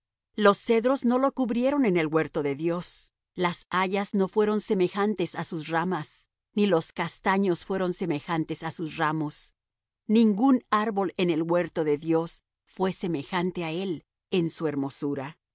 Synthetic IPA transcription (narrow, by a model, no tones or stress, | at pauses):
lo̞sːe̞ðɾo̞zno̞lokuβɾje̞ɾo̞ne̞ne̞lwe̞ɾt̪o̞ðeðjo̞s | lasaʝazno̞fwe̞ɾo̞nse̞me̞xant̪e̞sasusramas | nilo̞skast̪aɲo̞sfwe̞ɾo̞nse̞me̞xant̪e̞sasusramo̞s | nĩŋɡunaɾβo̞le̞ne̞lɣwe̞ɾt̪o̞ðe̞ðjo̞s | fwe̞se̞me̞xant̪e̞ae̞l | ensue̞ɾmo̞suɾa